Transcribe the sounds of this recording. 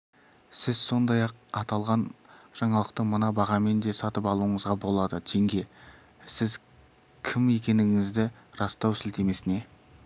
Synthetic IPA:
sɪzso̞nd̪ɑjɑq̚ɑt̪ɑlˠʁɑnʒ̥ɑɴɑlˠəqt̪əɴmənɑbɑʁɑme̞nd̪e̞sɑt̪əpɑlˠuəɴəzʁɑbo̞lˠɑd̪ət̪ʰe̞ŋɡʲe̞ | sɪz | kʲʰɪme̞kʲe̞nɪŋɪzd̪ɪ | ɾɑst̪ɑwsɪlt̪e̞me̞sɪne̞

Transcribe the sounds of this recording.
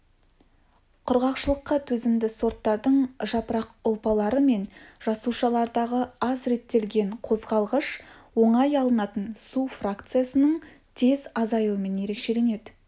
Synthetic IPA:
qʰʊɾʁɑqʃəlˠəqːɑt̪ʰɵzɪmd̪ɪso̞ɾt̪ːɑɾd̪əɴʒɑpəɾɑqʊlˠpɑlˠɑɾəme̞nʒɑsuʃɑlˠɑɾd̪ɑʁəɑzɾe̞t̪ːe̞lɡʲe̞ɴqʰo̞zʁɑlˠʁəʃwo̞ɴɑjɑlˠənɑt̪ənsufrakt̪sɨjasənəɴ | t̪ʰe̞zɑzɑjuəme̞nje̞ɾe̞kʃe̞le̞ne̞d̪ɪ

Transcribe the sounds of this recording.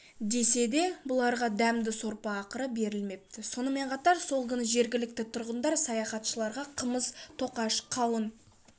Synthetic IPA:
d̪e̞se̞d̪e̞bʊlˠɑɾʁɑd̪æmd̪ɪso̞ɾpɑːqəɾəbe̞ɾɪlme̞p̚t̪ɪso̞nəme̞ɴqʰɑt̪ɑɾso̞lˠkʲʰɪnɪʒe̞ɾɡʲɪlɪk̚t̪ɪt̪ʰʊɾʁənd̪ɑɾsɑjɑχɑt̪ʃəlˠɑɾʁɑqʰəməzt̪ʰo̞qɑʃqʰɑwən

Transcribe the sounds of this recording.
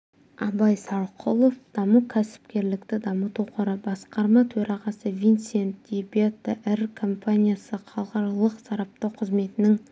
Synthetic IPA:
ɑbɑjsɑɾqʰolˠo̞fd̪̥ɑmukʲʰæsɪ̥p̚kʲe̞ɾlɪkt̪ɪd̪ɑmət̪uqʰəɾəbɑsqɑɾmɑt̪ʰɵɾɑʁɑsəvʲijnsent̪d̪ibʲet̪ːəʔɪɾkʰo̞mpʰanʲijasəqʰɑlˠqɑɾɑlˠəqsɑɾɑp̚t̪ɑwqʰəzme̞t̪ɪnɪŋ

